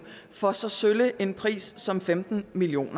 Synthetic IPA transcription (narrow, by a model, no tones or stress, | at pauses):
fɒ̽sɒ̽søləʔe̝npʰʁḭːsːɒ̽mfemd̥n̩milio̝̰ːnɐ